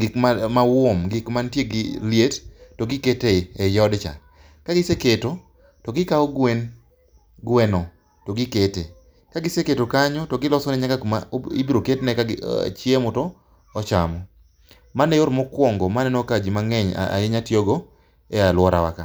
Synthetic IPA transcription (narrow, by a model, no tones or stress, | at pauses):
ɡɪkamawomɡɪkmantjeɡɪljettoɡɪketeɛjɔdt͡ʃa̰ | kaɡɪseketo | toɡɪkaɔɡwen | ɡwɛnɔ | toɡɪketḛ | kaɡɪseketokaɲɔtoɡɪlɔsɔnɛɲakakma̰ḭbiɾoketnɛkaɡɪ̰t͡ʃjemɔtɔː | t͡ʃa̰mɔ | manɛjoɾmɔkwɔŋɡɔmanɛnokad͡ʒimaŋɛɲa̰a̰eɲatjoɡo | ɛalwɔɾa̰wa̰ka